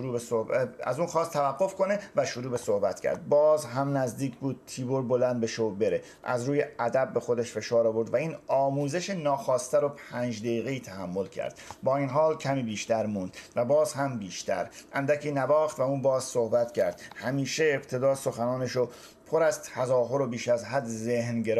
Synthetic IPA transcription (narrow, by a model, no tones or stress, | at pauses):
ʃoɾuːbesoæ̰zuːnxɒːst̪ʰːævæɡːo̞fko̞nevæʃoɾuːbeso̞hbæt̪cʰæ̰ɾd̪̚bɒːzɦæmnæzd̪iːcʰbuːd̪̥̚t̪ʰiːboɾbo̞lænd̪be̞ʃobe̞ɾe | ʔæ̰zɾuːje̞ʔæd̪æbːe̞xo̞d̪eʃfe̞ʃɒːɾɒːvo̞ɾd̪væiːnɒːmuːzeʃenɒːxɒːst̪æɾopʰæːnd͡ʒd̪eiːɣeiːt̪ʰæhæmːo̞lcʰæ̰ɾd̪̥bɒːiːnɦɒːlcʰæmiːbiːʃt̪æɾmũːnd̪̥væbɒːzɦæmbiːʃt̪ʰæ̰ɾʔænd̪æcʰiːnæbɒːxt̪væuːnbɒːzsohbæt̪cʰæɾd̪̥hæmiːʃeːbt̪ʰe̞d̪ɒːso̞xænɒːneʃo | pʰoɾæz̥t̪ʰæzɒːɦo̞ɾobiːʃæzɦæd̪zehnɟeɾ